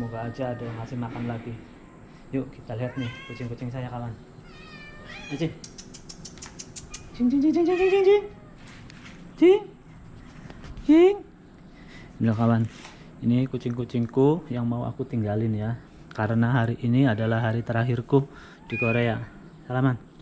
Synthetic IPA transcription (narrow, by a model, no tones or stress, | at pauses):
səmoɡaːd͡ʒaːdaakasɪhmakanlaɡi | jokit̪aliɦat̪̚nɪhkut͡ʃɪŋkut͡ʃɪŋsajakawan | kut͡ʃɪŋ | t͡ʃɪŋt͡ʃiŋt͡ʃiŋt͡ʃɪŋt͡ʃɪŋt͡ʃɪŋt͡ʃɪŋt͡ʃɪŋ | t͡ʃɪŋ | t͡ʃɪŋ | bilakawan | inikut͡ʃɪŋkut͡ʃɪŋkujaŋmauʔa̰kut̪iŋɡalɪnja | kaɾənaɦaɾiʔiniadalahɦaɾit̪əɾaɦɪrku | d̥ikoɾea | salaman